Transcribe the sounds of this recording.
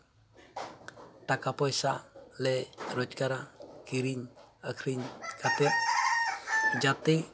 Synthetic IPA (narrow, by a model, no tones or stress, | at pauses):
t̪akapɔisalɛɾɔt͡ʃkaɾakiɾiɲakʰɾiɲkat̪ɛʔ̚ | d͡ʒat̪i